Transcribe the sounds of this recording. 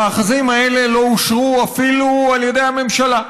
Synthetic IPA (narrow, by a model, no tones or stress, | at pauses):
aːχazimae̞le̞lo̞uʃʁuafilualje̞de̞jhame̞mʃala